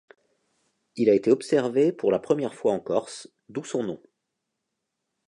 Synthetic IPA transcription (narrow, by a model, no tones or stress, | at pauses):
ilaet̪eɔpsɛʁvepuʁlapχəmjɛʁfwaɑ̃kɔʁs | d̪usɔ̃nɔ̃